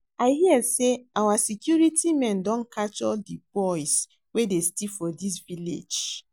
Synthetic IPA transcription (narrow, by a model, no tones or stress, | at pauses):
aɪɦiɛseawasikjuɾitimɛ̃ndɔ̃nkat͡ʃɔdibɔɪs | wedestifɔdis̬vilḛd͡ʒ